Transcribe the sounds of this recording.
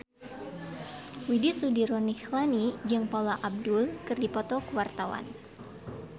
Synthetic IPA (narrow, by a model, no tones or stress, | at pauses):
widisudiɾɔnixlanid͡ʒɨŋpaulaʔab̚dulkɨrdipɔt̪ɔkəwart̪awa̰n